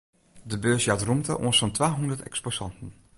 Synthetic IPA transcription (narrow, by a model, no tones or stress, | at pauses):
dəbøːsjatrumtə̰ʔo̰ənsfɔntʋaːɦundətɛ̰ksposɑntn̩